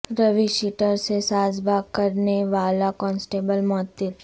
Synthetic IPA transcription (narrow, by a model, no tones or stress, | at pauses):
ɾəʋiʃiʈəɾsesad͡ʒbakəɾneʋalakɔnsʈebəlmɔɦət̪ːɪt̪